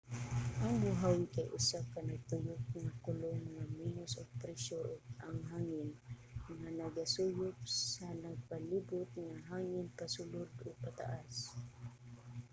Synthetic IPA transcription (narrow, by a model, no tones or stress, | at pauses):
ʔaŋmʊɦawɪkajʔʊsakanaɡ̚t̪ʊjʊk̚ŋakʊlʊŋŋaminʊsʊɡ̚pɾɛʃoʔʊɡ̚aŋɦaːŋɪn | ŋanɐɡasuːjʊp̚ssanaɡ̚paliːbʊt̪̚ŋaɦaːŋɪnpasulʊd̪ʔʊɡ̚pat̪a̰ʔas